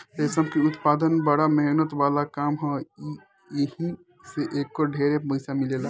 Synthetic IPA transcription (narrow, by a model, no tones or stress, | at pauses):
t̪esəbkiʊt̪paːd̪ənbəɽamɛɦnət̪ʋaːlakaːmɦɔ̃ | jəɦĩ | seʔeːkːoɖʱeːɾeməɪsamilela